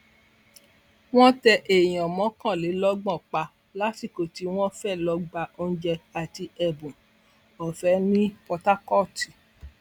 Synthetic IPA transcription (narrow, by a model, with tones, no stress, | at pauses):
w̃ɔ̃˦tɛ˧ʔe˨j̃ɔ̃˨mɔ̃˨˦kã˦˨le˨˦lɔ˦ɡ͡bɔ̃˦˨k͡pa˧ | la˨˦ti˦˨ko˨ti˨˦w̃ɔ̃˦fɛ˦˨lɔ˧ɡ͡ba˧o˧n̩˦d͡ʒɛ˧a˨ti˧ɛ˨bũ˨ | ɔ˨fɛ˨˦nĩ˦pɔ˧ta˦kɔ˦˨ti˨